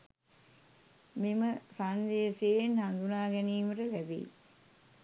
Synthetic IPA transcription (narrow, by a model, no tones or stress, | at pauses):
miməsand̪eːsejnhand̪unaːɡɛniːməʈəlæbḭː